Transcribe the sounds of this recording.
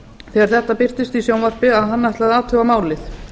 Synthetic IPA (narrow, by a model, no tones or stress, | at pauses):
θɛːɣaɾ̥θɛht̪ːapɪr̥t̪ɪst̪isjownvar̥pɪaðɦanːaht̪laðaːt̪ʰœvamaːwlɪθ